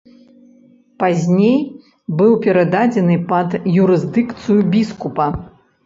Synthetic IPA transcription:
pazʲnʲej | bɨwpʲɛɾad̪ad͡zʲɛnɨpɐd̪juɾɨzd̪ɨkt̪sɨjubʲiskupɐ

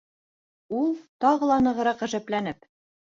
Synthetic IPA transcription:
ulˠt̪ɑʁɤ̆lˠɑnɤ̆ʁɤ̆ɾɑqæ̆ʒæplænɘp

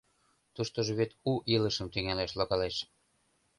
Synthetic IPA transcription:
t̪uʃt̪oʒoβet̪uʔiləʃə̆mt̪yŋæleʃloɣɑleʃ

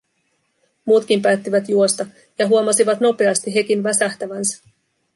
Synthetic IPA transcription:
muːt̪kimpæːt̪ːiʋæt̪juo̞st̪ɑ | jɑɦuomɑsiʋɑt̪no̞pe̞ɑst̪iɦe̞k̟inʋæsæht̪æʋænsæ̥

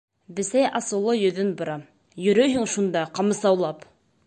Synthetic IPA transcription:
bɘ̆sæjʔɑsɤ̆wlˠɤjɵ̆ðɵnbŏɾɑ | jɵ̆ɾɵjɦɘŋʃund̪ɑqɑmɤ̆sɑwlˠɑp

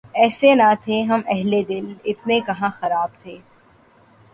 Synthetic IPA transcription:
ɛːsenat̪ʰeɦɐmɛɦled̪ɪlɪt̪nekɐɦãxɐɾaːb̚t̪ʰeː

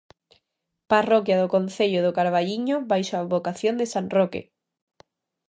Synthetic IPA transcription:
parokjaðokon̟θeʎʊðʊkaɾβ̞aʎiɲoβajʃoaβokaθjond̪esanrokḛ

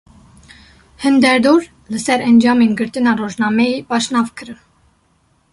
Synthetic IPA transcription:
hənd̪ɛɾd̪uɾ | ləsɛɾənd͡ʒɑminɡəɾt̪ənɑrɔʒnɑmɛipɑʃnɑvkʰəɾə

